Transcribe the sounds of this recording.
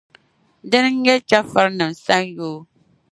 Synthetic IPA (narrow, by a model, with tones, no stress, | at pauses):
dɨ˦n˦ŋ̩˦jɛ˦t͡ʃa˦fa˦ɾnɨ˨msa˦njoː˦